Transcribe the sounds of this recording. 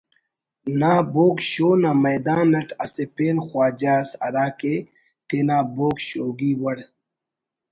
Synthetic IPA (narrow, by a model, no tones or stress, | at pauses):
naːboːkɕoːnamɐjd̪aːnːɐʈɐsepeːnxwaːd͡ʑaːsɐ̰ɾaːke | t̪enaːboːkɕoːɡiːwɐɽ